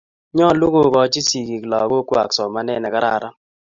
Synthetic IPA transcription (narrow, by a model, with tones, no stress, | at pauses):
ɲɔ˦˨lʊ˦ɡo˨kɔ˨˦t͡ʃi˦si˨ki˨klɔ˨ɡo˦kwa̰˨ksɔ˨ma˨˦nɛ˦˨nɛ˨ka˦ɾa̰˦˨ɾa˦